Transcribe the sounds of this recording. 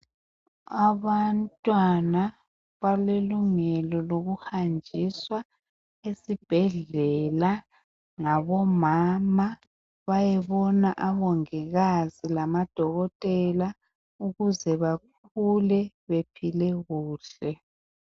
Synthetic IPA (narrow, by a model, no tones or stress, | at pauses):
aβantʼwana | βaleluŋɛlɔloɣuhand͡ʒʱiswa | esib̥ʱɛɮɛla | ŋaβɔmama | βajɛβɔnaʔaβɔŋiɣazilamad̥ʱɔɣɔtʼɛla | uɣuzɛβak̚ʰ | ulɛ | βepʰilɛɣuːɬɛ